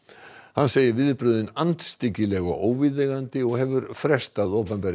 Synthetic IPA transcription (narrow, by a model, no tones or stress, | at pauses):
hanːseːjɪvɪðpɾʏðɪnant̪st̪ɪcːɪlɛɣɔ̰ɣoːwviðɛɣant̪ɪɔɣhɛvʏɾfɾɛst̪aðowpɛmpɛɾ